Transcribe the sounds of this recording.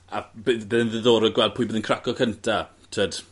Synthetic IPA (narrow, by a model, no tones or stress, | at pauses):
abbeðənðəðoːɾɔɡwɛlˠd̚pʰʊːjbəðənkʰrakɔkʰəntʰa | tʰəːd̥